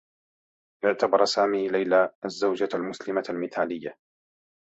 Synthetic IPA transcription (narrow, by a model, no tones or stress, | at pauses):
ʔɪʕt̪abɑɾˤsaːmiːlajlaːʔazːawd͡ʒalmʊslɪmalmɪt̪aːlɪjːa